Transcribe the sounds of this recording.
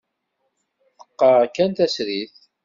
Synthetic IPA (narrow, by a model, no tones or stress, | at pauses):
θə̥qːɑkːænt̪æsɾiθ